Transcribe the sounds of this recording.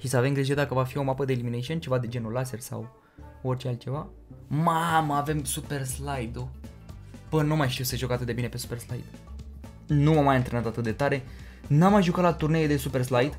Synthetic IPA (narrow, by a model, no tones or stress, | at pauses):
ʃisəavemɡɾiʒeɾd̪akəvafio̞mapəd̪eːliminejʃiont͡ʃe̞vad̪e̞d͡ʒe̞nulase̞rsa̰w | o̞rt͡ʃealt̪̚t͡ʃe̞va | maməave̞msupe̞rslajd̪u | b̥ənuamajʃt̪iuwse̞ʒo̞kat̪ɨt̪̚d̪ebine̞pe̞su̥pe̞rslajd̪̥ | numamajɨnt̪ɾe̞nat̪at̪ɨt̪̚d̪e̞t̪aɾe̞ | namːajʒukat̪lat̪urne̞jed̪e̞supe̞rslajd̪